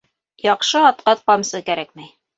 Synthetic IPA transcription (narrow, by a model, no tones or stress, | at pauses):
jɑqʃɤɑt̪̚qɑθqɑmsɤkæɾæk̚mæj